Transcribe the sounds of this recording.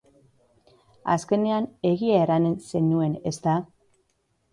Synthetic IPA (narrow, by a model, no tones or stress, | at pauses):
a̰ske̞ne̞ane̞ɣiaeɾane̞nse̞nue̞ne̞st̪a